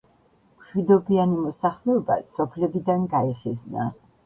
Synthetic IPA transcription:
mʃwid̪ɔbianimɔsaχlɛɔba̰sɔpʰlɛbid̪anɡaɛχɛzna̰

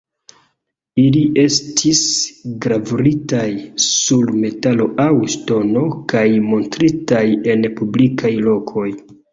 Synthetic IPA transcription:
iliʔe̞stʰisɡɾavɾitajsulme̞talo̞ʔawsto̞no̞kajmo̞ntɾitaje̞npublikʰajlo̞kʰo̞j

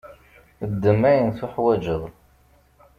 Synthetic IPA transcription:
əd̪ːəmæjənθʊħwæd͡ʒəðl

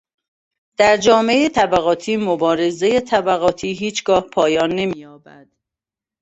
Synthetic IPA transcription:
d̪̥æɾd͡ʒɒːmeeet̪ʰæbæɣɒːt̪ʰiːmobɒːɾeze̞jet̪ʰæbæɣɒːt̪ʰiːɦiːt͡ʃʰɡɒːhpʰɒːjɒːnːe̞miːjɒːbæ̰d̪̥

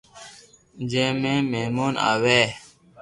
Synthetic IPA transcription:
nd͡ʒɛmɛ̃mɛmona̰wɛ

